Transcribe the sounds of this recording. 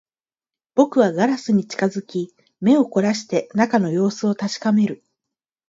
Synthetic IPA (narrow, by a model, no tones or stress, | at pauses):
b̥o̞kɯ̟βaɡaɾasɨɲ̟it͡ɕi̥kazɨkʲi | me̞o̞ko̞ɾaɕi̥t̪e̞nakano̞jo̞ːsɨo̞t̪aɕi̥kame̞ɾɯ̟